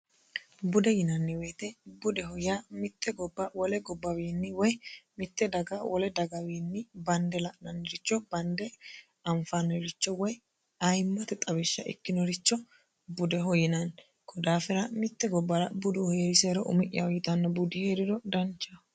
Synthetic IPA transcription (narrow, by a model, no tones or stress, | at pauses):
bʊd̪ɛjɪnɐnːɪweːt̪ɛbʊd̪ɛɦɔjamɪt̪ːɛɡɔbːɐwɔlɛɡɔbːɐwiːnːɪwɔjmɪt̪ːɛd̪ɐɡɐwʔɔlɛd̪ɐɡɐwiːnːɪbɐnd̪ɛlɐʔnɐnːɪɾɪt͡ʃːɔbɐnd̪ɛ | ɐɱfanːɔɾɪt͡ʃːɔwɔj | ɐjmːɐt̪ɛt̪ʼɐbɪʃːɐʔɛ̰kːɪnɔɾɪt͡ʃːɔ | bʊd̪ɛɦɔjɪnɐn | kɔd̪aːfɪɾɐmɪt̪ːɛɡɔbːɐɾɐbʊd̪ʊhɔjeɾɪseːɾɔʔʊ̰mɪʔɪjɐwjɪt̪ɐnːɐbʊd̪ɪheːɾɪd̪ɔd̪ɐnt͡ʃːɐ